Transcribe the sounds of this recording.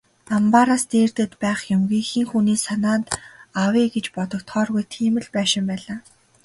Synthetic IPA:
ampaɾaːst̪eːrt̪ɘ̆t̪pæːχjʊmɣiːxiːŋxuniːsanaːt̪awiːɡet͡ɕpɔt̪ɞ̆kt̪ʰχɔːrɣujt̪ʰiːmɘ̆ɮpæːʃɪ̆mpæːɮaː

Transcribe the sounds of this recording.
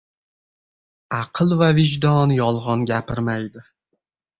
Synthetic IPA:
ɑqʰɨlˠvavɪʒd̪ɒnjɒlˠʁɒnɡʲapʰɪɾmajd̪ɪ

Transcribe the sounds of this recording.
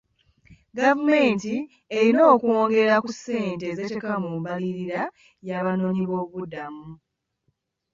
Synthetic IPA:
ɡavume̞ːnti | eɾino̞ːkoːŋɡe̞ɾakusːe̞ːnte̞zete̞kamumβaliɾiɾa | jaːβano̞ːɲiβo̞βuβudamu

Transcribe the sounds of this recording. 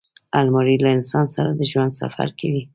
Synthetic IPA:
almɑɾilaɪnsɑnsaɾad̪əʒwand̪sa̰fa̰ɾkʰawi

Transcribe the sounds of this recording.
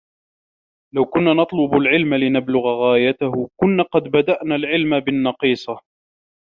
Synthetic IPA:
lawkʊnːaːnɑt̪ˤlʊbalʕɪlmalɪnablʊɣaɣaːjat̪ahʊkʊnːaːqɑd̪bad̪aʔnaːlʕɪlmabɪnːɑqiːsˤɑ

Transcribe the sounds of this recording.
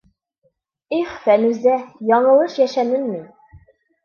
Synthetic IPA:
iχfænʉzæjɒɴɤ̆lˠɤʃjæʃænɘnmin

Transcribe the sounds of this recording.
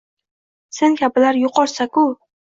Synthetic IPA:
se̞ŋkʲʰabɪlaɾjʊqʰɒɾsakʊ

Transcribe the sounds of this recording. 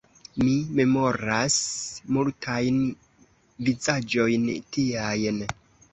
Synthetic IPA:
mime̞mo̞ɾasmultʰajn | vizad͡ʒo̞jntiajn

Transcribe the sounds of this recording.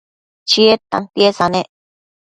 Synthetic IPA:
t͡ʃiet̪a̰ŋpjesanẽʔ

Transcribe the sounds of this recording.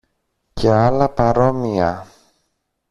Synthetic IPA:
ce̞ɐlɐpɐɾo̞miɐ

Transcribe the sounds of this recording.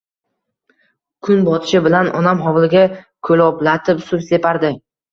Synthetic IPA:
kʰʊnbɒt̪ʰɪ̥ʃɪbɪlanʔɒnamɦɒwlˠɡʲakʰɵlɒplat̪ʰɪpsʊpse̞paɾd̪ɪ

